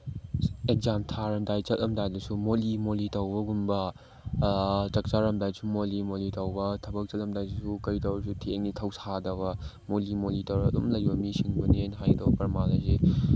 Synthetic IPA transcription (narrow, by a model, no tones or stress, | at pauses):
ek̚zamtʰaɾɐmdajt͡ʃɐlɐmdajdɐsumolimolitɐwbɐɡunbɐ | t͡ʃɐk̚t͡ʃaɾɐmdajsumolimolitɐwbɐtʰɐbɐk̚t͡ʃɐlɐmdajdsukɐɾitɐwɐsutʰeŋnitʰɐwsadɐβɐ | molimolitoɾɐdomlɐjbɐmisiŋbɐnenɦajdɐbɐpɐɾmazɐse